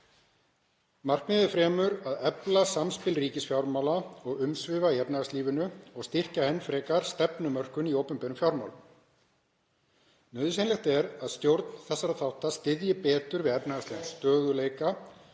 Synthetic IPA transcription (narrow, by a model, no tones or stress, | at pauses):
mar̥knɪðɪfɾɛːmʏɾaðɛplasamspɪlriːcɪsfjawɾmawlaɔɣʏmsvɪːvaiɛpnaast̪liːvɪnʏɔɣst̪ɪr̥cahejnfɾɛːkaɾ̥st̪ɛpnʏmœr̥kʏniowpʏnpɛːnʏmfjawɾmawlʏ | nœːðʏsenlɛxt̪ɛɾaðst̪jowɾt̪nθɛsːaɾaθawht̪ast̪ɪðjɪpɛːt̪ʏɾvɪðɛpnaast̪ivɪnst̪œːðʏleːjka